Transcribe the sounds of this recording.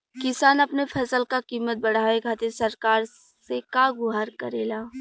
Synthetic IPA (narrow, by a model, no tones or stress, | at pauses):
kɪsaːnɐpnepʰɐsəlkakiːmət̪̚bɐɽ̤aːʋeɡʱaːt̪esɐɾkaːɾ | sekaɡʊɦaːɾkɐɾeːlaː